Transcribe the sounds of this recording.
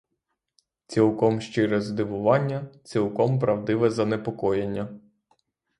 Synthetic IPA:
t͡sʲilˠkɔmʃt͡ʃɪɾɛzd̪ɪʋʊʋɑnʲːɐt͡sʲilˠkɔmpɾɐwd̪ɪʋɛzɐnepɔkɔjenʲːɐ

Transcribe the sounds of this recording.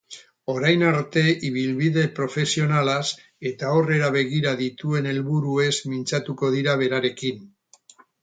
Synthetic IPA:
o̞ɾajnaɾt̪e̞ʔiβilβiðe̞pɾo̞fe̞sio̞nalas | e̞t̪ao̞re̞ɾaβ̞e̞ɣiɾaðit̪ue̞ne̞lβuɾue̞zmint͡sat̪uko̞ðiɾaβ̞e̞ɾaɾe̞kin

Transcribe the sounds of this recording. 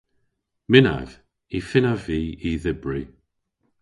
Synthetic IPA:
mɪna̰v | ifɪnaviːiðɪbɹi

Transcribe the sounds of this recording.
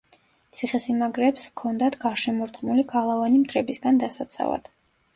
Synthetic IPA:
t̪sʰiχɛsimaɡɾɛpskʰɔnd̪at̪ɡaɾʃɛmɔɾt̪χmuliɡalˠavanimt̪ʰɾɛbisɡand̪asat̪sʰa̰va̰d̪̥

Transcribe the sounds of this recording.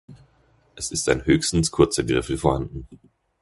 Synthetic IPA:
ʔɛsɪstaɪnhøːçstn̩skʰʊɐt͡sɐɡʁɪfl̩foɐhandn̩

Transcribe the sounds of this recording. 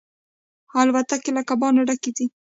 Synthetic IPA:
albat̪akelakabɑnaɽaked̪i

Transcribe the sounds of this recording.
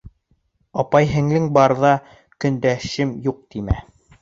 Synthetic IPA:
ɑpɑjɦɘ̆ŋlɘŋbɑɾðɑ | kɵ̆nd̪æʃɘmjuq̚t̪imæ̰

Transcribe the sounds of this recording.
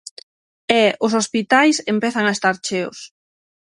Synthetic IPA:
ɛʊsospit̪ajsempɛθaŋaest̪aɾt͡ʃeʊ̰s

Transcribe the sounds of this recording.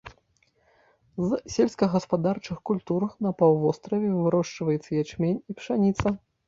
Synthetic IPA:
zsʲelʲskɐɣɐspad̪art͡ʂɨxkulʲt̪uɾɐxnɐpawˠvɔst̪ɾɐvʲɛvɨɾɔʂt͡ʂvɐjɛt̪sːɐjɛt͡ʂmʲenʲipʂanʲit̪sɐ

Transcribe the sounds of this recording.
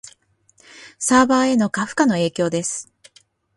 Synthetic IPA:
saːbaːe̞no̞kaɸɯ̟̥kano̞e̞ːkʲo̞ːd̪e̞sɨ̥

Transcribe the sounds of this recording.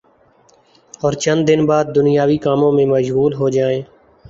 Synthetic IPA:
ɔːɾt͡ʃənd̪d̪ɪnbaːd̪̚ːʊnɪjaːʋiːkaːmõːmẽːməʃɣuːlɦoːd͡ʒaːẽː

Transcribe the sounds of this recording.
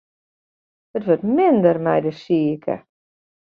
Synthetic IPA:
ətʋøtmɪndərmɛjdəsiəkʰə̰

